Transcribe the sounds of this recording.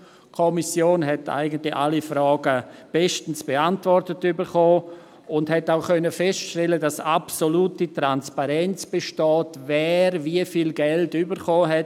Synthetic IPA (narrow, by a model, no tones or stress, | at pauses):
kʰomisjoːnɦɛta̰ɪɡəntlɪçalifɾaːɡəb̥ɛʃtn̩sb̥eantvɔrtətybəɾχoː | ʊndɦɛtaʊkœnəfɛstʃtɛlədasapsoluːtitɾanspaɾɛnt͡sb̥eʃtɔːtvɛːɾviəfiːlɡɛltybəɾχoːɦɛt